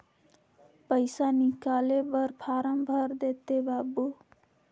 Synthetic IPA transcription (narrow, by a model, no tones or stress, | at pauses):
pəɪsanɪkaːlebəɾpʰaːɾəmbʱəɾd̪eːt̪ebaːbuː